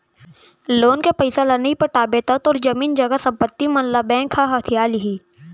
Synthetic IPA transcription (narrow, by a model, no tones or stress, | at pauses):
loːnkepəɪsalɐnipɐʈaːbeːt̪ət̪ɔːɾd͡ʒɐmiːnd͡ʒɐɡasɐ̃mpət̪ːimɐnlabɛ̃ːkʰhaɦɐt̪ʰijaːliɦiː